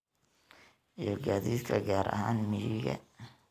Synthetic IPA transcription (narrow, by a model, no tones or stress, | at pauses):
ʔijɔɡaːðiːd̪kʰɐɡaːɾɐ̰haːnmɪjɪɣɐ̰